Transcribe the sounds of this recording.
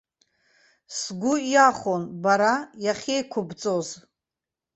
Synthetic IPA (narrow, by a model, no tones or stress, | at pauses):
sɡʷʊaχonbaɾajaχʲejkʷʰʊbt͡sʼoz